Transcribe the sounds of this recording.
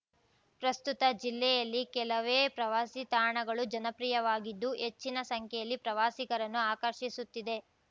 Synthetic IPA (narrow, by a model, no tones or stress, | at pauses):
pɾɐst̪ut̪ɐd͡ʒilːɛjɐlːikɛlɐʋeːpɾɐʋaːsit̪aːɳɐɡɐɭud͡ʒɐnɐpɾiːjɐʋaːɡid̪ːuɦe̞t͡ʃːinɐsɐŋkʰɛjɐlːipɾɐʋaːsiɡɐɾɐnːuaːkɐɾʃisut̪ːid̪e̞